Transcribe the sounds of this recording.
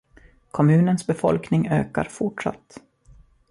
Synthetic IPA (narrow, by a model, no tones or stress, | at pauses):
kʰɔmʉ̟ːnənsbɛfɔ̰lknɪŋø̰ːka̰ɾfʊʈʂa̰t̪ː